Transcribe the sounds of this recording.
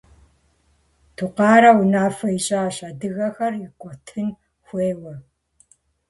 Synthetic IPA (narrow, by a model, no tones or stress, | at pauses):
tʰuqɑːɾɐwʊnaːfɐiɕʼɐːɕɐdɨɣɐxɐrɪkʷʼɔtʰɨn | xʷeːwɐ